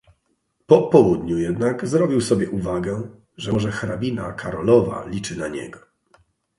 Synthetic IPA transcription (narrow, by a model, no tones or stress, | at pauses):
pɔpɔwud̪ɲujɛd̪naɡzɾɔbʲiwsɔbʲjɛʔuvaɡɛ | ʐɛɔʐɛxɾabʲina̰kʰaɾɔlɔva̰lʲit͡ʂɘnaɲɛ̰ɡɔ